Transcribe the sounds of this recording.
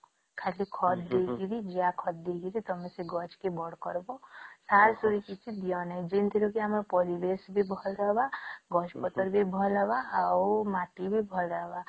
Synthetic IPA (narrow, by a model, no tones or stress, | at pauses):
kʰalikʰɔt̪d̪eɡiɾid͡ʒiakʰɔt̪̚d̪eɡiɾit̪ɔmesiɡɔt͡ʃkebɔɽ̤kɔɾbɔsaɾsoɾikit͡ʃʰid̪ijɔnaĩd͡ʒint̪ʰiɾukiamɾɔpɔɾibesbʱibʱɔlɾɔɦbaɡɔt͡ʃpɔt̪ɔɾbʱibʱɔlɔbaawmaʈibʱibʱɔlɾɔɦba